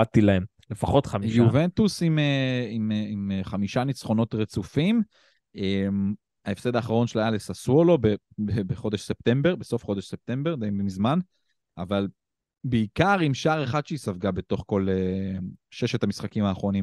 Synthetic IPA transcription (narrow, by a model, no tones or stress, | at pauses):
atilaem | le̞faχo̞t̪χamiʃjuve̞nt̪usimeimeimχamiʃanit͡sχo̞no̞t̪ʁet͡sufim | em | aefse̞d̪aːχaʁo̞nʃelajalesasolo̞be | bebeχo̞d̪eʃse̞p̚te̞mbe̞ʁbeso̞fχo̞d̪eʃse̞p̚t̪e̞mbe̞ʁd̪aimbimizman | aval | beikaʁimʃaːʁe̞χad̪ʃeisavɡabe̞t̪o̞χko̞le | ʃeʃet̪amisχakimaːχʁo̞nim